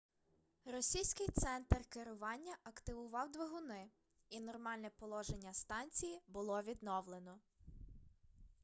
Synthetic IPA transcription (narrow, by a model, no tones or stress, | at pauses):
rɔsʲijsʲkɪjt̪sɛnt̪rkeɾʊʋɑnʲːɐʔɐkt̪ɪʋʊʋɑwd̪ʋeɦʊnɪ | inɔrmɑlʲnɛpɔlˠɔʒenʲːɐst̪ɑnʲt͡sʲijibʊlˠɔʋʲid̪nɔwlˠenɔ